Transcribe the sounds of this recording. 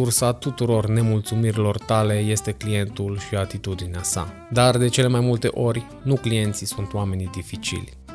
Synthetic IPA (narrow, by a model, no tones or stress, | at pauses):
ursat̪ut̪uɾo̞rne̞mult̪sumiɾilo̞rt̪ale̞je̞st̪e̞klije̞nt̪ulʃiat̪it̪ud̪ineasa̰ | d̪ard̪e̞t͡ʃe̞le̞majmult̪e̞̰ʔo̞rʲ | nuklije̞nt̪sisunt̪oame̞nid̪ifit͡ʃḭlʲ